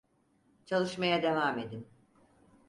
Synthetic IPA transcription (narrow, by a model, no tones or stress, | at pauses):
t͡ʃʰalˠɯʃmajad̪e̞vaːme̞d̪im